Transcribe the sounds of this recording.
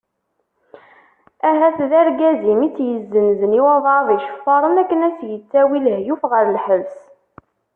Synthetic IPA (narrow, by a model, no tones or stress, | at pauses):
æɦæθðæɾɡæzimit͡sːjəzːənzəniwɑðˤɑðˤiʃə̥fːɑɾˤənækːənæsjət͡sːæwilhjufʁəɾlħəvs